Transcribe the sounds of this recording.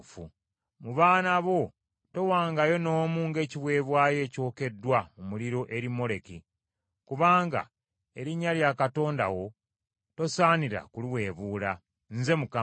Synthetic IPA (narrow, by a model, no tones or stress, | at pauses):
fṵ | muβaːnaβo̞ | to̞waːŋɡajo̞no̞ːmuːŋɡe̞ːciβwe̞ːβwaːje̞ːco̞ːke̞dːwaumuliɾo̞ʔe̞ɾimːo̞le̞ki | kuβaːŋɡa̰ | e̞ɾiɲːaljakato̞ːnda̰wo̞ | to̞saːniɾa̰kuliwe̞ːβuːla | nze̞muka